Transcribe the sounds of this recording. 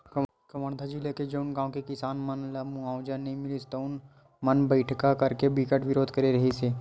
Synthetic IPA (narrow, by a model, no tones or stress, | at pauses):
k | kɐməɳd̪ʰad͡ʒiːleked͡ʒɐʊnɡãːõkekɪsaːnmɐnlɐmuãːʊd͡ʒənəɦĩmɪlist̪oʊn | mɐnbəɪʈʰkakɐɾkebɪkəʈʋɪɾoːd̪ʱkɐɾeɾɐɦeseː